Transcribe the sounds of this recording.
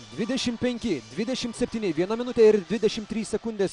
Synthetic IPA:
d̪ʲʋʲɪd̪ʲɛʃʲɪmpʲɛŋʲkʲɪd̪ʲʋʲɪd̪ʲɛʃʲɪmt̪sʲɛpʲt̪ʲiːnʲɪʋʲiɛnɐmʲɪnʊt̪ʲeːɪɾd̪ʲʋʲɪd̪ʲɛʃʲɪmt̪ʲɾʲiːssʲɛkʊnʲd̪ʲeːs

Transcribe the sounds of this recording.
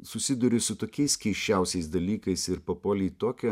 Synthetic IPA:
sʊsʲɪd̪ʊɾʲɪsʊt̪oːkʲɛɪskʲɛɪʃʲt͡ʃʲɛʊsʲɛɪsd̪ɐlʲiːkɐɪsɪɾpɐpoːlʲiːt̪oːkʲɛ

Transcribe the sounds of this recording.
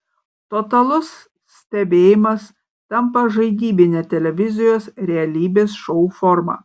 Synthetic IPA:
t̪ot̪ɐlˠʊs | sːʲt̪ʲɛbʲeːjɪmɐs | t̪ʲɛmpɐʒɐɪɡ̪ʲiːbʲɪnʲeːt̪ʲɛlʲɛʋʲɪzʲɪjoːsɾʲɛɐlʲiːbʲeːsʃɔufɔɾmɑ̰ː

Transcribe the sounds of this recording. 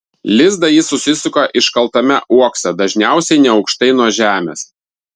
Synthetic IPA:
lʲɪzd̪ɐjɪsʊsʲɪsʲʊkoʔɪʃkɐlˠt̪ɐmʲɛʔuɔksʲɛd̪ɐʒʲnʲæˑʊsʲɛɪnʲɛɒʊkʃt̪ɐɪnuɔʒʲæːmʲḛs

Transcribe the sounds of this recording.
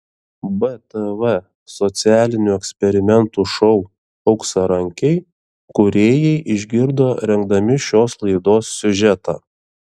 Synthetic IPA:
bɛt̪əʋɛ | sɔt̪sʲɪæːlʲɪnʲuɛksʲpʲɛɾʲɪmʲɛnt̪uːʃɔʊ | ɒʊksɐɾɐŋʲkʲɛɪ | kʊɾʲeːjɛɪʔɪʒʲɡʲɪɾd̪oːɾʲɛŋɡ̚d̪ɐmʲɪʃʲoːslˠɐɪd̪oːsːʲʊʒʲɛt̪ɑː

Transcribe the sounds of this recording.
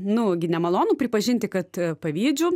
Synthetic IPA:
nʊɡʲɪnʲɛmɐlˠoːnuːpʲɾʲɪpɐʒʲɪnʲt̪ʲɪkɐt̪pɐʋʲiːd͡ʒʲuː

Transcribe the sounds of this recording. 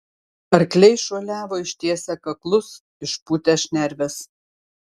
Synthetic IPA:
ɐɾklʲɛɪʃuɔlʲæːʋoːɪʃʲt̪ʲiɛsʲɛkɐklˠʊs | ɪʃpuːt̪ʲɛʃʲnʲɛɾʲʋʲɛs

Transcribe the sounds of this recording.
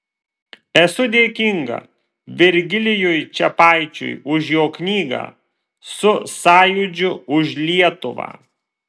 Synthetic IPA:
ɛsʊd̪ʲeːkʲɪŋɡɐ̰ | ʋʲɪɾʲɡʲɪlʲɪjʊjt͡ʃʲɛpɑˑɪt͡ʃʲʊ̰jʊʃjoːknʲiːɡɐ̰ː | sʊsɑːjʊd͡ʒʲʊʊʃlʲiɛt̪ʊʋɑ̰ː

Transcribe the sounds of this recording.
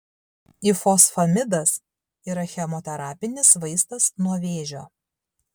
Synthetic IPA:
ifɔsfɐmʲɪd̪ɐs | iːɾɐxʲɛmɔt̪ʲɛɾɑːpʲɪnʲɪsʋɐɪst̪ɐsnuɔʋʲeːʒʲoː

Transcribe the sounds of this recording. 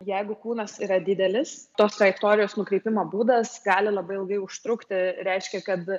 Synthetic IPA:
jɛɪɡʊkuːnɐsiːɾɐd̪ʲɪd̪ʲɛlʲɪst̪oːst̪ɾɐjɛkt̪oːɾʲɪjoːsnʊkɾʲɛɪpʲɪmoːbuːd̪ɐsɡɑːlʲɪlˠɐbɐɪɪlˠɡɐɪʊʃt̪ɾʊkt̪ʲɪɾʲɛɪʃʲkʲɛkɐt̪

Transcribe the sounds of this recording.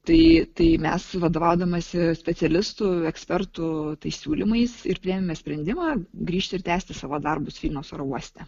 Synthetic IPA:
t̪ɐɪt̪ɐɪmʲɛsʋɐd̪oːʋɑʊd̪ɐmɐsʲɪsʲpʲɛt̪sʲɛlʲɪst̪ʊɛksʲpʲɛrt̪ʊt̪ɐɪssʲuːlʲɪmɐɪsɪɾpʲɾʲieːmʲɛmʲɛsʲpʲɾʲɛnʲd̪ʲɪmɑːɡɾʲiːʃʲt̪ʲɪɾt̪ʲæːsʲt̪ʲɪsɑːʋoːd̪ɐrbʊsfʲiːlʲnʲoːsoːɾouɔsʲt̪ʲɛ

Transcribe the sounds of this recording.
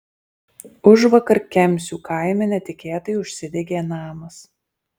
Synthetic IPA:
ʊʒʋɐkɐɾkʲɛmʲˑsʲuːkʰɑˑɪmʲɛnʲɛt̪ʲɪkʲeːt̪ɐjʊʃʲsʲɪd̪ʲɛɡʲeːnɑːmɐs

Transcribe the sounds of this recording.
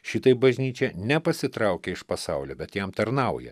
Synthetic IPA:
ʃʲɪt̪ɐɪbɐʒʲnʲiːt͡ʃʲɛnʲɛpɐsʲɪt̪ɾɑʊkʲɛɪʃpɐsɑʊlʲoːbʲɛt̪jɛmt̪ɐɾnɑʊjɛ̰

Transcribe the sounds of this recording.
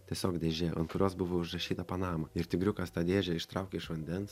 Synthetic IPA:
t̪ʲiɛsʲoːkd̪ʲeːʒʲeɐ̰nkʊɾʲoːsbʊʋoʊʒrɐʃʲiːt̪ɐpɐnɑːmɐɪɾt̪ʲɪɡɾʲʊkɐst̪ɑːd̪ʲeːʒʲɛɪʃt̪ɾɐʊkʲɛɪʃʋɐnʲd̪ʲɛns

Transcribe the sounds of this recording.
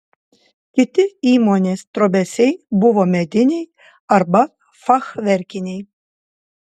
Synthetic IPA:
kʲɪt̪ʲɪiːmonʲeːst̪ɾobʲɛsʲɛjbʊʋomʲɛd̪ʲɪnʲej | ɐɾbɐ | fɑxʋʲɛɾʲkʲɪnʲej

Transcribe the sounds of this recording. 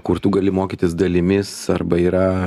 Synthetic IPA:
kʊrt̪uːɡɐlʲɪmoːkʲit̪ʲɪsd̪ɐlʲɪmʲɪsɐrbɐiːɾɐ

